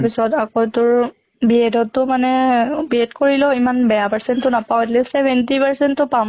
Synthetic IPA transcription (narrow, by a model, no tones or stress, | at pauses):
pisɔtakotʊɹ | biɛdɔtːʊmanɛbiɛdkoɹilɔimanbɛjapaɹsɛntːʊnapawɛtlisɛbʱɛntipaɹsɛntːʊpa